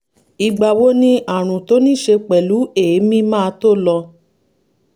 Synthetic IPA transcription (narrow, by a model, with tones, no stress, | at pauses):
i˧ɡ͡ba˧˨wo˦nĩ˦a˦˨ɾ̃ũ˨to˨˦nĩ˦˨ʃe˧k͡pɛ˨lu˨˦e˨˦mĩ˦mãː˦˧to˦lɔ˧